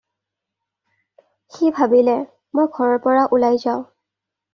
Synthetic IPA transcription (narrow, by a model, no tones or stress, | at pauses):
xibʱabilɛ | mojɡʱɔɹɔɹpɔɹaʔulajzaʊ̃